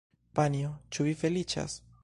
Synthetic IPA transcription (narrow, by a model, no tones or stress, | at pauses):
paniot͡ʃuvife̞lit͡ʃa̰s